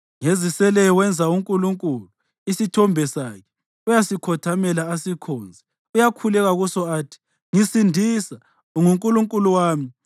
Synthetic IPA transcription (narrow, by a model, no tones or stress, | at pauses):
ŋezisɛlɛjɔwɛnd͡zʱauŋkʼuluŋkʼulu | isitʰɔmbʱɛsakʰɛ̥ | ujasikʰɔtʰamɛlaːsikʰɔːnd͡zʱɛ | ujakʰulɛɣaɣusɔaːtʰi̥ | ŋisindʱisa | ŋuŋkʼuluŋkʼuluwaːmi